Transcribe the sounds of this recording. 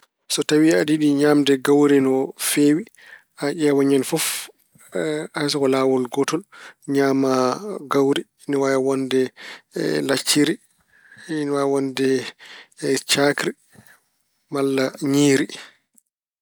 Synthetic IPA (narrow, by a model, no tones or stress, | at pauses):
sɔtawiadiɗiɲaːmdɛɡawɾɛnɔfeːwi | ʔaʔɛwaɲanfɔf | ajs̬ɔkɔlaːwɔlɡɔtɔlɲaːmaɡawɾi | niwajawɔndɛ | lat͡ʃːiɾi | nwawɔndɛ | t͡ʃakɾi | malːaɲiːɾi